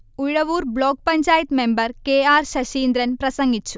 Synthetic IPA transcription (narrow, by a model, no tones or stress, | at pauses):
uɻɐʋuːɾbɭoːk̚pɐɲt͡ʃaːjɐt̪membɐɾkeːaːɾʃɐʃiːnd̪ɾɐnpɾɐsɐŋɡit͡ʃːu̥